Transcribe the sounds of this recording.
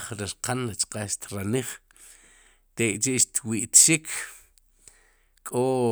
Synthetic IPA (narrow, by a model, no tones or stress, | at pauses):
χɾiɾqanlat͡ʃqaʃt̪ɾaniχ | t̪ekʼt͡ʃiʔʃt̪wiʔt̪ʃikʰ | kʼo